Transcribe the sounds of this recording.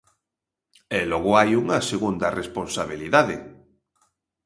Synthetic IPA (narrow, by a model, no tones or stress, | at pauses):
elɔɣʊajuŋaseɣund̪aresponsaβ̞iliðaðe